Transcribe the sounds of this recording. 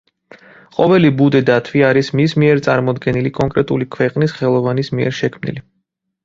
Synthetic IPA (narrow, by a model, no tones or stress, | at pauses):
qʼɔvɛlibud̪ɛd̪at̪ʰviaɾismismiɛɾt̪sʼaɾmɔd̪ɡɛnilikʼɔŋkʼɾɛt̪ʼulikʰwɛqʼnisχɛlˠɔvanismiɛ̰ɾʃɛkʰmnḭli